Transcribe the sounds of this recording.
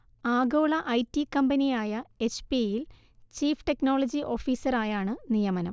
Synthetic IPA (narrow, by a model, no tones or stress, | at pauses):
aːɡoːɭɐʔɐjtːikɐmbɐnijaːjɐet͡ɕpijil | t͡ɕiːfʈe̞kno̞ːɭɐd͡ʑiʔo̞ːfiːsɐraːjaːɳɨnijɐmɐnɐ̰m